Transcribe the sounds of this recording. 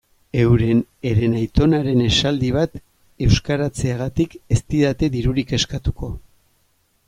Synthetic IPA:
e̞wɾe̞ne̞ɾe̞najt̪o̞naɾe̞ne̞sald̪iβ̞at̪ | e̞wskaɾat͡seaɣ̞at̪ike̞st̪iðat̪e̞ðiɾuɾike̞skat̪uko̞

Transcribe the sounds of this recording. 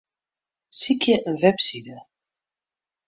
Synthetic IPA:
sikʰjəʔənvɛpsidə

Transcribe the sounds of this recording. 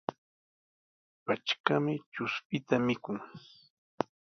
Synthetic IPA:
pat͡ʃkamɪt͡ʃʊspɪt̪amɪkʊŋ

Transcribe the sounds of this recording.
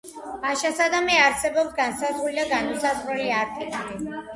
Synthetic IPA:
aʃasad̪amɛaɾsɛbɔpsɡansazulid̪aɡanmisazɾɛliaɾt̪ʰikli

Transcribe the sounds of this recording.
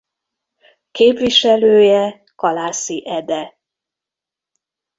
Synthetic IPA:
keːpʋiʃɛløːjɛ | kɒlaːsiʔɛd̪ɛ

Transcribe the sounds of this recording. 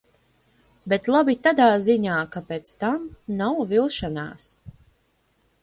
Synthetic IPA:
bet̪lˠabit̪ad̪aːziɲaːkapeːt̪st̪amnawvilˠʃana̰ːs

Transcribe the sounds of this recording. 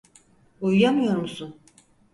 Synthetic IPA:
ujjamɯjo̞ɾmusun

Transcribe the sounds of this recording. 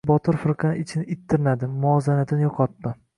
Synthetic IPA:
bɒt̪ʰɪɾfɪɾqʰɑnɪt͡ʃʰɪnɪɪt̪ʰːɪɾɪnad̪ɪmʊɒzanat̪ʰɪnɪjɒqʰɒt̪̚ːɪ

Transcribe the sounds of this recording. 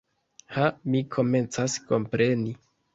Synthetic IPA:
hamikʰo̞me̞nt͡sasko̞mpɾe̞ni

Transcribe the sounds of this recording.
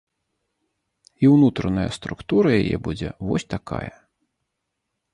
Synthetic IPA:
iwnut̪ɾɐnɐjɐst̪ɾukt̪uɾɐjajɛ̰bud͡zʲɛvɔsʲt̪akʰa̰jɐ

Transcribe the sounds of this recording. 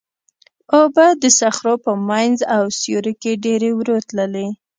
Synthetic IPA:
obad̪əsaxɾopəmajnzawsjoɾəkeɖeɾewɾot̪ləle

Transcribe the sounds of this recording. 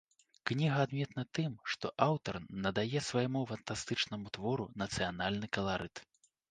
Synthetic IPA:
knʲiɣɐːd̪mʲɛt̪nɐt̪ɨmʂt̪ɔʔawt̪ɐrnɐd̪ajɛsvajmufɐnt̪ast̪ɨt͡ʂnɐmut̪vɔɾunɐt̪sɨjanalʲnɨkɐlˠaɾʔɨt̪

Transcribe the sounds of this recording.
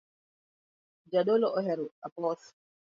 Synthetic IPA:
d͡ʒaɗɔlɔɔɦɛɾuapɔs

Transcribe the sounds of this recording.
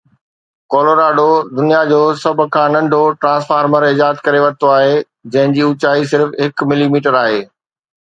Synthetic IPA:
koːloɾaːɖod̪ʊnijad͡ʑoːsɐbʱʊ̆kʰãːnɐ̃ɳɖʱoʈɾãːsfaːɾməɾɪd͡ʑaːət̪kɐɾeʋɐɾɪt̪oaːɦe | d͡ʑɐ̃ɦɪ̃ɲd͡ʑiːʊt͡ɕaːis̬ɪɾfɦɪkmɪlimiːʈəɾaːɦeː

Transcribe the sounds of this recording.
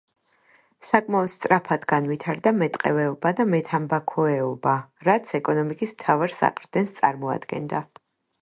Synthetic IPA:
sakʼmaɔd̪st̪sʼɾapʰad̪ɡanvit̪ʰaɾd̪amɛt̪ʼqʼɛvɛɔbad̪amɛt̪ʰambakʰɔɛɔbaɾat̪sʰɛkʼɔnɔmikʼismt̪ʰavaɾsa̰qʼɾd̪̥ɛnst̪sʼa̰ɾmɔa̰d̪ɡɛ̰nd̪a

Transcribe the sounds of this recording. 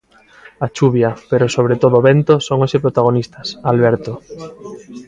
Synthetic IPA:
at͡ʃuβjapeɾosoβ̞ɾet̪oðoːβent̪osoŋosepɾot̪aɣ̞onist̪ɐsalβɛɾt̪o

